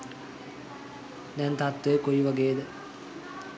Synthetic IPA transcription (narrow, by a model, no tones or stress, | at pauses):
d̪ɛnt̪at̪ʋejəkojiʋaɡeːd̪ə